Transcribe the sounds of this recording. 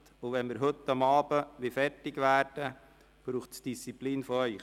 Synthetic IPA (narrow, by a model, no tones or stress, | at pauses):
t̪ʊʋɛnmɪɾɦɵt̪ːɑmɑːbəʋɪfɛrtɪɡʋæːɾd̥ə | b̥ɾuːχtsd̥ist͡sipliːnfɔœʏχ